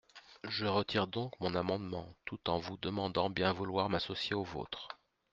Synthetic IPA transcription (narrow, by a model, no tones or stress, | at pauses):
ʒəʁət̪ʰiʁd̪ɔ̃kmɔ̃namɑ̃d̪mɑ̃t̪ut̪ɑ̃vud̪əmɑ̃d̪ɑ̃bjɛ̃vulwaʁmasɔsjeovo̰ːt̪χ